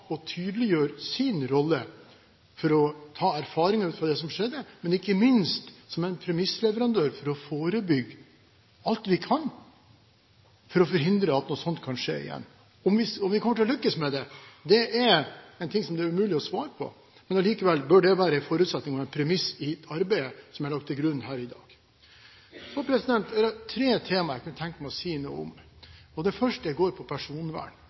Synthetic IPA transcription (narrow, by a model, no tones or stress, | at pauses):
ɔt̪ʰyːd̪əlɪjøːɾsɪnɾɔlːə | fɔɾɔt̪ʰɑːæɾfɑːɾɪŋɑʉːt̪fɾɑd̪ɛsɔmʂɛd̪ːəmɛnɪkːəmɪnst̪sɔmɛɪnpʰɾɛmɪslɛʋəɾɑnd̪øːɾfɔɾɔfoːɾəbʏɡː | ɑlt̪ʋɪkʰɑn | fɔɾɔfɔɾɦɪnd̪ɾəɑt̪nɔːsɔnt̪kʰɑnʂḛːɪ̰jɛ̰nː | ɔmʋɪɔmʋɪkʰɔmːəʈʰɪlɔlʏkːəsmɛd̪ɛd̪ɛɛɾɛɪnt̪ʰɪŋsɔmd̪ɛːɾʉmʉːlɪɔsʋɑːɾəpʰɔ̰ | mɛnɑliːkəʋɛlːbœɖɛʋæːɾəɛfɔːɾʉt̪sɛt̪nɪŋɔʋɛɪnpʰɾɛmɪsɪt̪ʰɑɾbɛɪəsɔmæɾlɑk̚t̪ʰːɪɡɾʉnːhæːɾɪd̪ɑ̰ːɡ̥ | sɔpʰɾɛsɪd̪ɛnt̪d̪ɛɾæt̪ʰɾeːt̪ʰeːmɑɾæɪkʰɑnət̪ʰɛŋkəmæɪɔsiːnṵːə̰ɔ̰m | ɔd̪ɛfœʂʈəjæɡoːɾpʰɔpʰæʂuːnʋæ̰ːɳ